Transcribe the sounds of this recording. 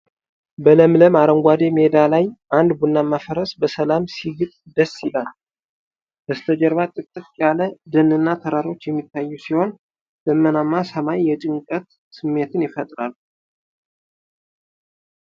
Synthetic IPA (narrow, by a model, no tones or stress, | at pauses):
bələmləmaɾəŋɡʷad̪e̞me̞d̪alajʔand̪bunːamːafəɾəsbəsəlamsiɡɨt̪ʼd̪əsːɪlal | bəst̪ʰəd͡ʒəɾβat̪ʼɨkt̪ʼɨt̪ʼjaləd̪ənɨnːat̪ʰəɾaɾo̞t͡ʃːjɛmːit̪ːajːusiho̞n | d̪̥əmːənamːasəmajːɛt͡ʃʼɪŋkʼət̪ | sɨmːe̞t̪ʰɨnjɪfət̪ʼɾa̰lːu